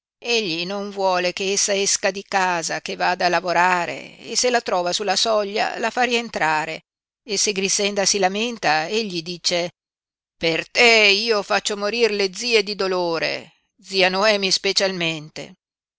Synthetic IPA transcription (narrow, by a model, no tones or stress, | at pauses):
eʎːinoɱvwɔːlekeesːaeskad̪ikaːzakevaːd̪alavoɾaːɾḛḛselat̪ɾɔːvasulːasɔʎːa̰lafaɾient̪ɾaːɾe | eseɡɾisɛnd̪asilament̪aeʎːid̪iːt͡ʃe | pert̪ɛiːofat͡ʃːomoɾirled̪ziːed̪id̪oloːɾḛ | d̪ziːanoɛːmispet͡ʃalment̪ḛ